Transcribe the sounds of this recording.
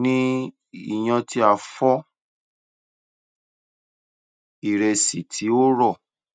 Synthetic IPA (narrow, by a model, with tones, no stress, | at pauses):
nĩ˦ | i˨j̃ã˧ti˧˦a˦˨fɔ˦ | i˦˨ɾe˧si˨tʰi˨˦o˦ɾɔ˦˨